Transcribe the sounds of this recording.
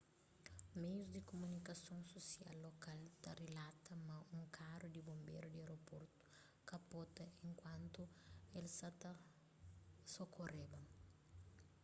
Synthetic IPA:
mejuzd̪ikomunikɐsõŋsosialːokalt̪ɐrelat̪ɐmɐũŋkʰaɾud̪ibõmbḛɾud̪ieɾopoɾt̪ʊ̥ | kɐpot̪ɐẽŋkwɐ̃nt̪uelsɐt̪ɐ | sokorebɐ

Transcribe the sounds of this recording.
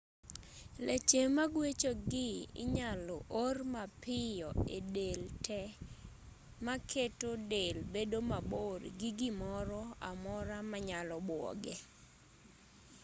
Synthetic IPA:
let͡ʃemaɡwet͡ʃoɡɪɪ̰ɲalɔʔormapɪjɔedeltʰɛ | makʰetodelbedomaborɡɪɡɪmɔɾɔa̰mɔɾamaɲalɔbwɔ̰ɡɛ

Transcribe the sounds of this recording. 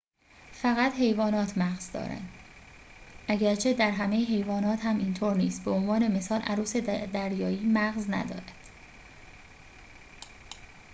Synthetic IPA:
fæɣæt̪he̞jvɒːnɒːt̪ʰmæɣz̥d̪ɒ̰ːɾæ̰nd̪ | ʔæɟæɾt͡ʃʰe̞d̪æɾɦæmejeɦe̞jvɒːnɒːt̪hæmiːnt̪ʰoːɾniːsbeonvɒːne̞me̞sɒːlʔæɾuːse̞d̪æɾjɒːiːmæɣznæ̰d̪ɒ̰ːɾæd̪̥

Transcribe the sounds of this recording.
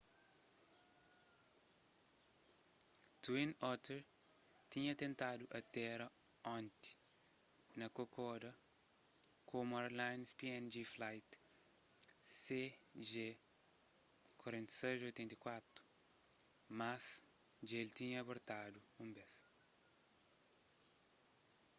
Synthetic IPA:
t̪uĩnɔt̪eɾ | t̪ĩɲɐt̪ẽnt̪ad̪uʔɐt̪ɛɾɐ | ɔ̃nt̪i̥ | nɐkokʰɔd̪ɐ | kʰomaɾlãjnspiɛ̃nd͡ʒiflajt̪ | seʒe | kwɐɾẽnt̪i̥sezojt̪ɛ̃nt̪ikwat̪ɾu̥ | mas | d͡ʒelt̪ĩɲɐːboɾt̪ad̪uũmbes

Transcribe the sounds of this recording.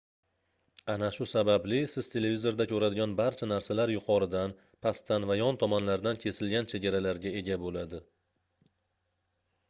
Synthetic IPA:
anaʃʊsabablɪsɪz̥t̪ʰe̞le̞vizo̞ɾd̪akʲʰɵɾad̪ɪɡʲanbaɾt͡ʃʰanaɾsalaɾjʊqʰɒɾɪd̪an | pʰast̪ʰanvajɒnt̪ʰɒmanlaɾd̪ankʲʰe̞sɪlɡʲant͡ʃʰe̞ɡʲaɾalaɾɡʲae̞ɡʲabolad̪ɪ

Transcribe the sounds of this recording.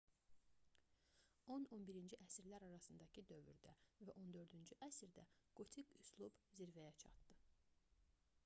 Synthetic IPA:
o̞no̞nbiɾind͡ʒiʔæsiɾlæɾɑɾɑsɯnd̪ɑcʰid̪ø̞vy̰ɾd̪ævæʔo̞nd̪ø̞ɾd̪ynd͡ʒyʔæsiɾd̪æ̰ɡ̥ot̪ʰikyslˠubziɾvæjæt͡ʃʰɑ̰t̪d̪̥ɯ

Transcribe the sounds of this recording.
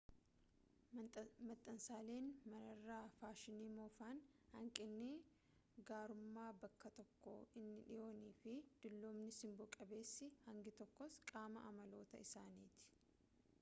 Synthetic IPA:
mɐt̪ʼːɐnsaːle̞ːnmɐnɐrːaːfaːʃɪniːmoːfaːnhɐŋkʼɪnːe | ɡaːɾʊmːaːbɐkːɐt̪ɔkːɔ̰ɪnːɪᶑɪjʔo̞ːniːfɪd̪̥ʊlːoːmnɪsɪmbɔkʼɐbe̞ːsːɪhɐŋɡɪt̪ɔkːɔskʼaːmɐ̰ʔɐmɐlo̞ːt̪ɐɪsaːniːt̪ɪ̥

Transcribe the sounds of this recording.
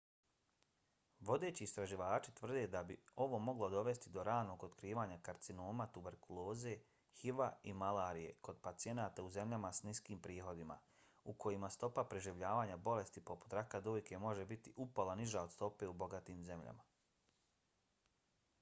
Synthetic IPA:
ʋo̞d̪e̞ːt͡ɕiːst̪ɾaʒiʋaːt͡ʃit̪ʋr̩d̪e̞d̪abio̞ʋo̞mo̞ɡlˠod̪o̞ʋe̞st̪id̪o̞ɾaːno̞ɡot̪kɾiːʋaːɲakaɾt̪sino̞ːmat̪ube̞ɾkulˠo̞ːze̞ | hiʋaimalaːɾije̞̰ko̞d̪̚pat̪sije̞naːt̪auze̞mʎamasniskiːmpɾiːxo̞d̪ima̰ | ukʰo̞jimast̪o̞papɾeʒiʋʎaːʋaːɲabo̞le̞st̪ipo̞pu̥t̪ɾakad̪oːjke̞mo̞ʒe̞bit̪iʔupolaniʒaod̪st̪o̞pe̞ubo̞ɡat̪iːmze̞mʎa̰ma̰

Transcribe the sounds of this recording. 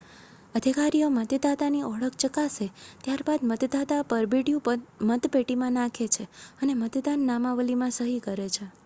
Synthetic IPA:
əd̪ʱikaɾijomət̪d̪at̪aniʔɔɭək̚t͡ʃəkaset̪jaɾbad̪mət̪d̪at̪apəɾbiɽjũpəmət̪peʈimãnakʰet͡ʃʰeənemət̪d̪anːamaʋəlimãsəɦikəɾet͡ʃʰe

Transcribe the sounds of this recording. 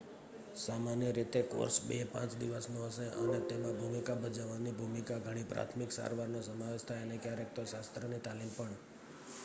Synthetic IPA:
samanjəɾit̪eko̰ɾsbepã̰t͡ʃd̪iʋəsnõɦəʃeʔənet̪emãbʱumikabʱəd͡ʒaʋanibʱumikaɡʱəɽ̃ipɾa̰t̪ʰmiksa̰ɾʋaɾnosəmaʋeʃt̪ʰajənekjaɾek̚t̪oʃast̪ɾənit̪alimpəɳ

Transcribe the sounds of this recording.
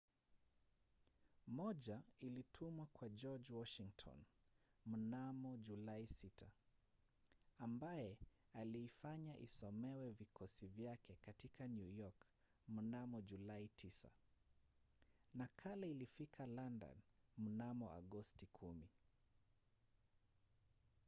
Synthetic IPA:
mɔʄailitʰumwakwad͡ʒɔd͡ʒwɔʃiŋtʰɔ̰nm̩namɔʄulaisitʰa | ambajɛ | aliːfaɲaʔisɔmɛwɛvikʰɔsivjakɛkatikʰanjujɔk | m̩namɔʄulaitʰisa̰ | nakʰalailifikʰalanda̰nm̩namɔa̰ɠɔstikʰumi

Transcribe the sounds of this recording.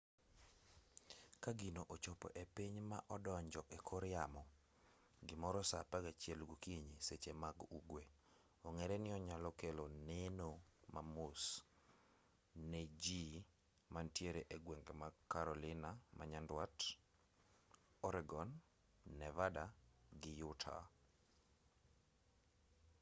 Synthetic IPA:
kaɡinoʔot͡ʃopɔ̰ʔepiɲmaʔɔdɔɲd͡ʒɔʔekʰɔɾjamɔ | ɡɪmɔɾɔsapaɡat͡ʃjɛlɡukiɲiset͡ʃemaɡuɡwe | ɔŋeɾɛnɪɔɲalɔkelonenomamʊs | ned͡ʒi | mantjeɾeʔeɡweŋɡemakːaɾɔlɪnamaɲandwat | ɔɾɛɡɔnː | ɛvadaɡɪjʊtʰa̰

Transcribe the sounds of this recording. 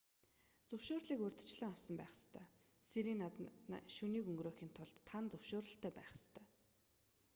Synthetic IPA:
t͡sɵwʃoːrɮiːkɵrʲt̪̆ʰt͡ɕɮə̆ŋawsə̆mpæ̰ːχst̪ʰœː | seɾiːŋnːat̪na̰ʃuniːkɵŋɡɾoːxiːnt̪ʰʊɮt̪ʰːant͡sɵwʃʊːɾə̆ɬt̪ʰœːpæ̰ːχst̪ʰœ̥ː

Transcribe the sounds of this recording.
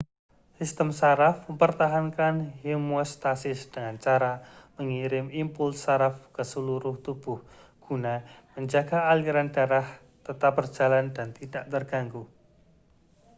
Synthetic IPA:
sist̪əmsaɾafməmpərt̪aɦankanɦimɔst̪asɪsd̥əŋant͡ʃaɾaməŋiɾɪmimpʊlsaɾafkəsəluɾʊht̪ub̥ʊh | ɡ̥unaməɲd͡ʒaɡ̥aːliɾandaɾah | t̪ət̪ap̚bər̥d͡ʒ̥a̤landant̪idaʔt̪ərɡ̥aŋɡu

